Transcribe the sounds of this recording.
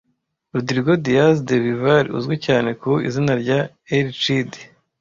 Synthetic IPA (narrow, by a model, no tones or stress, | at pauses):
ɾudiɾiɡodijasdeβivaɾiṵzɡwicaːne̞kuḭzinaɾɟa | eɾit͡ʃidi